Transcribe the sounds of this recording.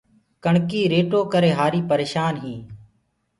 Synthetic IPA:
kəɳkiːɾeːʈoːkəɾeːɦaːɾiːpəɾeːʃaːnɦĩː

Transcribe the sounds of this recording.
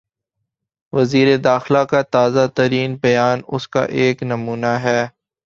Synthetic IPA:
ʋɐziːɾed̪aːxlakat̪aːzat̪ɐɾiːnbɐjaːnʊska̰ʔeːknɐmuːnaɦɛː

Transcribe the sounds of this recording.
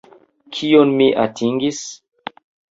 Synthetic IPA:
kʰionmiʔatʰiŋɡis

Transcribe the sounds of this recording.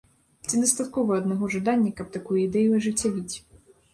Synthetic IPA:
t͡sʲid̪ɐst̪at̪kɔvɐɐd̪nɐɣɔʐad̪anʲːɐkɐp̚t̪akujuid̪ɛjuɐʐɨt͡sʲːavʲit͡sʲ

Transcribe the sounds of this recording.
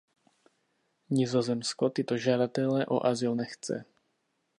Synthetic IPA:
ɲɪzozɛmskot̪ɪt̪o̞ʒadat̪ɛlɛʔo̰ʔazɪlnɛxt͡sɛ̰

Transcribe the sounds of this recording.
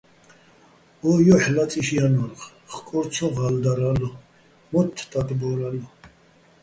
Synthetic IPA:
ɔjɔħlat͡sʼiʃijanɔɾχ | χkʼɔɾt͡sʰɔʁald̪aɾalɔ | mɔt̪ʰːt̪ʼat̪ʼbɔɾalu

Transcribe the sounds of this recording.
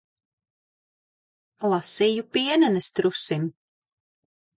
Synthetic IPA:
lˠasiːjupiɛnɛnɛst̪ɾusim

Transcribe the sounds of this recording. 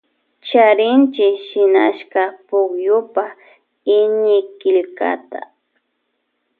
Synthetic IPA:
t͡ʃaɾɪnt͡ʃɪʃɪna̰ʃkapʊkjʊpa | ɪɲɪkɪʎka̰t̪a̰

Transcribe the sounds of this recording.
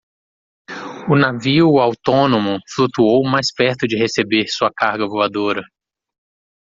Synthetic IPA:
ʊnaviʊawt̪õnõmʊflut̪uowmajspɛɾt̪ʊd͡ʒɪhesebeɾsuɐkaɾɡɐvoad̪oɾɐ

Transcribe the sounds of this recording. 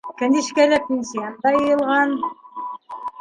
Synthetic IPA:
kænʲiʃkælæpʲenʲsʲijand̪ɑjɤ̆jɤ̆lˠʁɑn

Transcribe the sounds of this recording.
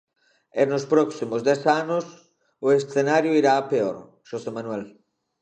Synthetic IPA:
enʊspɾɔksimʊzd̪ɛsanʊs | ʊesθenaɾjʊiɾaːpeoɾ | ʃosemanuɛl

